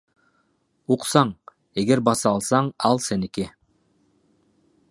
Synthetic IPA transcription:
uqsɑɴ | e̞ɡe̞ɾbɑsɑlˠsɑɴɑlˠse̞niki

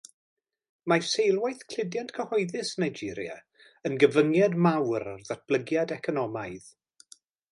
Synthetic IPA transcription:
masejlˠwajθkʰl̥ɪdjantkʰəhɔɨðɨsnajd͡ʒɪɾja̰ | ənɡəvəŋjadmawɾarðat̚b̥lˠəɡjadɛkʰɔnɔmajð

